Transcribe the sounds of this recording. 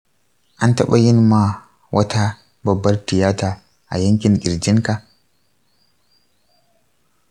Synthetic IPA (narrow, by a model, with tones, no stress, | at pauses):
ʔa˦ntɐ˦ɓa˦jɪ˦nma˨ | wʔɐ˦ta˦ | bɐ˨bːɐ˦rtɪ˨jaː˦taː˨ | ʔa̰˨jɐ˦ŋkʲɪ˨ŋkʲɪ˨ɾd͡ʒɪ˦ŋka˨